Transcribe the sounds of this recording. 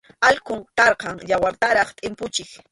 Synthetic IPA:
aʎkʊŋkɑɾqɑŋjawaɾt̪aɾɑχt̪ʼɪmpʊt͡ʃɪk

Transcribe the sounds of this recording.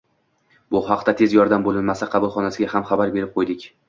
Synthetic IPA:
bʊhɑqt̪at̪ʰe̞zjɒɾd̪ambolɪnmasaqʰɑbʊlˠχɒnasɪɡʲahamχɑbaɾbe̞ɾɪp̚qʰojd̪ɪkʲ

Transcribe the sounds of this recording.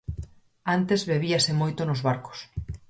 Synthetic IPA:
ant̪ezβeβ̞iɐsemojt̪onozβaɾko̥s

